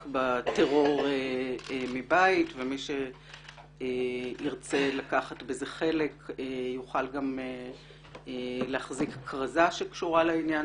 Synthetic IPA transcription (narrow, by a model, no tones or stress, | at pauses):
kbateʁo̞ʁeemibaitvemiʃe | iʁt͡se̞lakaχatbezeχe̞le̞kejuχalɡame | leaχzikːʁazaʃekʃuʁalainja